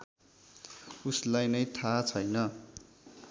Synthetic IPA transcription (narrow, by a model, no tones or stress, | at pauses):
uslajnʌjt̪ʰat͡sʰʌjnʌ